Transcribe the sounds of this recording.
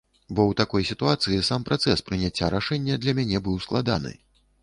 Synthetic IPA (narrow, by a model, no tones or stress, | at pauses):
bɔwt̪akɔjsʲit̪uat̪sɨjisampɾʔat̪sɛspɾɨnʲat͡sʲːaɾaʂɛnʲːɛd̪lʲɐmʲanʲɛbɨwsklˠad̪a̰nɨ̰